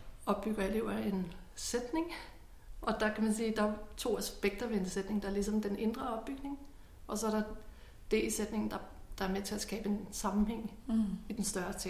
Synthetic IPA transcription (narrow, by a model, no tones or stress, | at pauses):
ɒ̽b̥ːyɡ̥ɐele̝ʊ̰ɐe̝n | sed̥ne̝ŋ | ɒ̽d̥ɑ̈kʰæmænsiːd̥ɑ̈æt͡sʰo̝̰ːæsb̥eɡ̥d̥ɐʋeend̥əsed̥ne̝ŋd̥ɑ̈æɐlis̬ɒ̽md̥ene̝nd̥ʁɐɒ̽b̥̚ːyɡ̥ne̝ŋ | ʔɒ̽sɒɐɾɑ̈ | d̥e̝sed̥ne̝ŋn̩d̥ɑ̈d̥ɑ̈æɐmet͡sʰe̝læsɡ̥ɛ̰ːb̥əe̝nsɑ̈mm̩heŋ̰ | id̥ensd̥ɶɐt͡sʰe